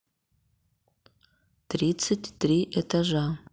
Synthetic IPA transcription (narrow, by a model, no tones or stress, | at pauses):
trisɨtʲʰtriʔetʰaʒa